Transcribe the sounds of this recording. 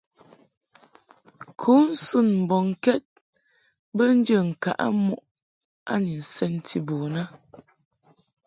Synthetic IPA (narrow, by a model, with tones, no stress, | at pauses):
kʰu˨˦n̩˦su˦˨nm̩˨bɔ˨ŋ˨kɛ˦t̚ | bə˦n̩˦d͡ʒə˨ŋ̩˨ka̰˨ʔa̰˦mu˦ʔ | a̰˦ni˨n̩˨sɛ˦n˨tʰi˨boː˨na˦